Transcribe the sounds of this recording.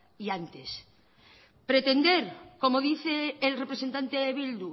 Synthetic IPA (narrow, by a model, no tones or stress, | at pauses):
iant̪es | pɾe̞t̪e̞nd̪eɾko̞moðiθeːlrepɾesent̪ant̪eeβild̪u